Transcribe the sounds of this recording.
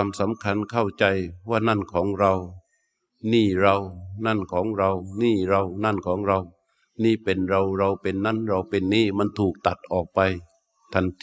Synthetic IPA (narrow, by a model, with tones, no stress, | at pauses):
msa˨˦mkʰa˧˥˨nkʰa˥˩wt͡ɕa˧jwaː˧˥˩na˥˨nkʰɔː˩˦ŋɾa˧w | niː˧˥˩ɾa˧wna˥˩˨nkʰɔː˩˦ŋɾa˧wniː˧˥˩ɾa˧wna˧˥˨nkʰɔː˩˦ŋɾa˧w | niː˧˥˨pe˨nɾa˧wɾa˧wpe˨nːa˧˥˨nɾa˧wpe˧nːiː˥˩ma˧˥˨nt̪ʰuː˨˩k̚t̪a˨˩t̪̚ʔɔː˨˩k̚pa˧j | t̪ʰa˧˩˨nt